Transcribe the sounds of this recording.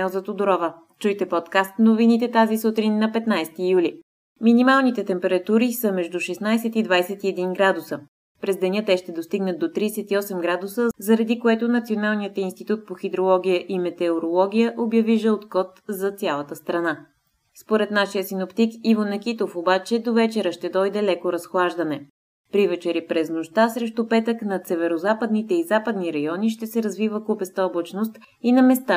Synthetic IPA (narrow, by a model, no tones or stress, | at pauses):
ɛzɐt̪od̪oɾɔvə | t͡ʃujt̪ɛpɔt̪kast̪novinit̪ɛt̪azisut̪ɾinːɐpɛt̪najst̪ijuli | minimalˠnit̪ɛt̪ɛmpɛɾɐt̪uɾisəmɛʒd̪uʃɛsnajsɛt̪id̪vajsɛt̪iɛd̪inɡɾad̪usə | pɾɛzd̪ɛnʲət̪ɛʃt̪ɛd̪ost̪iɡnət̪d̪ot̪ɾisɛt̪iɔsɛmɡɾad̪usəzɐɾɐd̪ikoɛt̪ʊnɐt̪sionalˠnijət̪inst̪it̪ut̪̚poxid̪ɾolˠɔɡʲijəʔimɛt̪ɛoɾolˠɔɡʲijəʔobjɐviʒɛot̪kɔt̪zɐt̪sʲalˠət̪əst̪ɾɐna | spoɾɛt̪naʃijəsinopt̪ikivonɛkit̪ofobat͡ʃɛd̪ovɛt͡ʃɛɾəʃt̪ɛd̪ɔjd̪ɛlɛkoɾɐsxlˠaʒd̪ɐnɛ | pɾivɛt͡ʃɛɾipɾɛznoʃt̪asɾɛʃt̪upɛt̪əknɐt̪sɛvɛɾozapəd̪nit̪ɛizapəd̪niɾɐjɔniʃt̪ɛsɛɾɐzvivəkupɛst̪ɔblˠot͡ʃnost̪ | inɐmɛst̪a